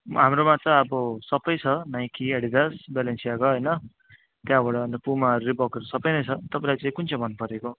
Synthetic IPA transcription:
ɦamɾomat͡sãʌbʌsʌpʌjt͡sʰʌnaj̃kieɽid̪ʌsbalensijaɡʌɦʌjnʌ | t̪jãbaɽʌʌnd̪ʌpumaʌɾulebʌkeɾosʌpʌjnʌjt͡sʰʌt̪ʌpãlajt͡saĩkunt͡sʰʌ̃bʱʌnːupʌɾeko

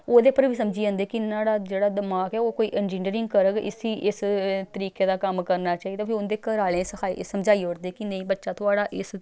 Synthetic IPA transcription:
oːd̪eːpəɾʋiːsəmd͡ʒiːə̃ːnd̪eːkɪnaːɽaːd͡ʒeːɽaːd̪əmaːkɛːoːkoːiːʔɛnd͡ʒĩːɳɖəɾɪ̃ŋɡ̚kəɾəɡɪ̰siːʔɪst̪əɾiːkeːd̪aːkəmkəɾnaːt͡ʃaːɦid̪aːpʰiʊnd̪eːkəɾaːlẽːsəaːisəmd͡ʒaːiːɦoːɽd̪eːkɪnəĩːbətːʃaːt̪ʊaːɽaːʔɪs

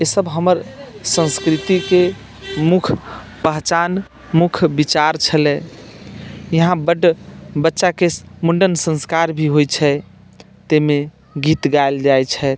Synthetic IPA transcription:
esəbʱɦəməɾsə̃nskɾit̪ike | mukʰ | pəɦt͡ʃan | mukʰbit͡ʃaɾt͡ʃʰəlɛ | jəɦãbəɖbətːʃakemuɳɖənsə̃nskaɾbʱiɦojt͡ʃʰɛ | t̪eme | ɡit̪ɡaeld͡ʒajt͡ʃʰɛ

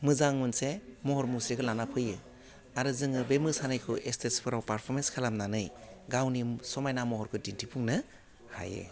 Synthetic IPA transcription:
mɯzaŋːunsemɔɦɔɾmusɾekʰɯlanapʰɯjɯ | aɾɯzɯŋɯbemɯsanajkʰɯʔestʰespʰɯɾawpaɾpʰɔɾmenskʰalamnanɯjɡawnisɔmajnamɔhɔɾkʰɯdintʰipʰuŋnɯ | ha̰jɯ̰

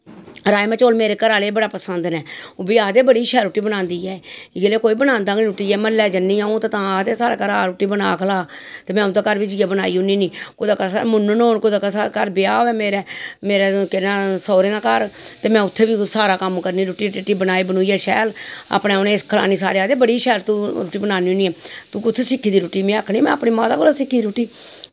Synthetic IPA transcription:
ɾaːemɛ̃ːt͡ʃoːlmeːɾeːkəɾaːleːbəɽaːpəsənd̪nɛːoːbiːaːd̪eːbəɽiːʃɛːlɾʊʈːiːbənãːnd̪iːɛːɡeleːkoːiːbənãːnd̪aːɡiɾʊʈːiːjɛːməlːɛːd͡ʒənːiːãõːt̪ːt̪ãːaːd̪eːsaːɾeːkəɾaːɾʊʈːiːbənaːkʰəlaːt̪eːmɛ̃ːʊaːkəɾʋid͡ʒɪaːbənaːiːʊniːniːkod̪aːkasamʊnːənoːnkod̪aːkasaːkəɾbɪjaːoɛːmeːɾeːmeːɾeːkɪnaːsɔːɾeːnaːkəɾt̪eːmɛ̃ːʊt̪ʰːeːbiːsaːɾaːkəmkəɾniːɾʊʈiːɪʈːiːbənaːiːbənuːiːɛːʃɛːla̰pneːʊnẽːskʰəla̰ːniːs̬a̰ːɾeːaːd̪eːbəɽiːʃɛːlt̪uɾuːʈiːbənaːniːʊniːɛːt̪uːʊt̪ʰːeːsɪkʰːiːd̪iːɾʊːʈiːmẽːakʰniːmɛ̰̃ːapniːmaːt̪aːkoːlaːsɪkʰːid̪iɾuːʈiː

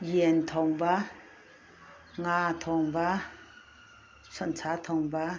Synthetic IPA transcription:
jint̪ʰɔŋba | ŋat̪ʰɔŋba | sɔnt͡sʰat̪ʰɔŋba

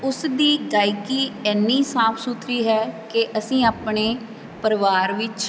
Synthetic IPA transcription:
ʊsd̪iːɡaːiːkiːɛːnːiːsaːpʰsut̪ʰɾiːɦɛːkeʔəsĩːaːpɳeː | pəɾʋaːɾʋɪt͡ʃ

